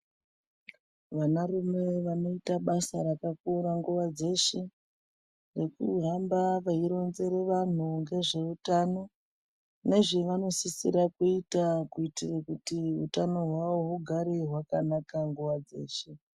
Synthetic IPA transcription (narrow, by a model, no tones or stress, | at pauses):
ʋanarume̞ʋano̞itaɓasaɾakakuɾaŋɡuʋad͡ze̞ʃe̞ | re̞kṵɦambaʋaiɾo̞nze̞ɾeʋan̤uŋɡe̞ʐe̞utaːno̞ | ne̞ʐiʋano̞sisḭɾakuitakuitirakutiutano̞ɦwaʋo̞ɦuɡʱaɾeɦwakanakaŋɡuʋad͡ze̞̰ːʃe̞